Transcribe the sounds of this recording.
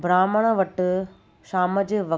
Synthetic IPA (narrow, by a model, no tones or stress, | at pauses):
bɾaːməɽ̃əʋɐʈ | ʃaːməd͡ʑʋɐ